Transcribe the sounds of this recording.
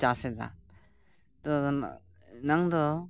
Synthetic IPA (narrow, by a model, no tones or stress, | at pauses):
t͡ʃased̪a̰ | t̪ɔ | naŋd̪ɔ